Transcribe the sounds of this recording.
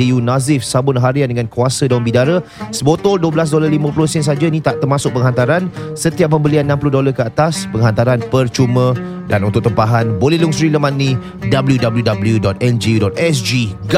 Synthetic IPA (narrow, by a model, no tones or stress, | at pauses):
iunazɪfsabʊnɦaɾiandəŋankuasədawambidaɾasəbot̪ɔlduəbəlas̬dolalimãplʊsɛns̬ad͡ʒainĩt̪aʔt̪ərmasʊk̚pəŋɦant̪aɾansət̪iap̚ːəmbəlianːampulʊhdolakəat̪aspəŋɦant̪aɾanpərt͡ʃumə̃ | danunt̪ʊʔt̪əmpaɦanbolɛluŋsɾiləmanːĩ | dabəljudabəljudabəljudɔt̪̚ɛnd͡ʒiudɔt̪̚ɛsd͡ʒiɡ